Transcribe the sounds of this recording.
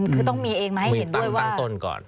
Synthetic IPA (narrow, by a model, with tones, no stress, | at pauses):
kʰɯː˧t̪̬ɔ˥˩ŋmiː˧ʔeː˧ŋmaː˧ha˥˩˧he˨˦nd̪u˥˩əjwaaː˧ŋt̪o˧nkɔ̰ː˨˩n